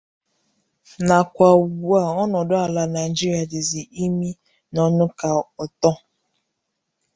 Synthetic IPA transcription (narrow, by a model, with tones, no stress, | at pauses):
na˨kʷa˨a˨ɔ˦nɔ˨dʊ˦a˨la˨na˨jd͡ʒi˦ɾi˨a˨dɪ˨zi˨ʔi˦mi˦ | nɔ˦nʊ˦ka˨ɔ˨tɔ˦